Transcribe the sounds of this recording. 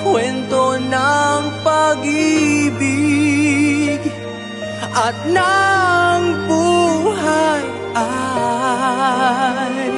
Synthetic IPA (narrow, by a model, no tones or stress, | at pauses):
kwɛnt̪onɐŋpɐɡɪbɪ | ɡ | ʔɐt̪̚naɐ | ŋbuːhaj | ʔa | j